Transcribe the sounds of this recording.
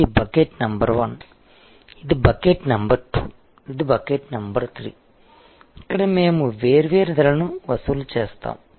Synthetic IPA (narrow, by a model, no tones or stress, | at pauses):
ibɐkeːʈnɐmbɐɾʋɐn | id̪ibɐkeːʈnɐmbɐɾʈṵː | id̪ibɐkeːʈnɐmbɐɾt̪ʰɾḭː | ɐkːɐɽɐmeːmuʋeːɾiʋeːɾid̪ɐlɐnuʋɐsulut͡ʃeːst̪a̰ːmu